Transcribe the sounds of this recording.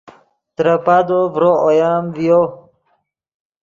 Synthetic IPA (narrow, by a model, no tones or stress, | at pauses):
t̪ɾəpad̪ovɾoojaːmvijo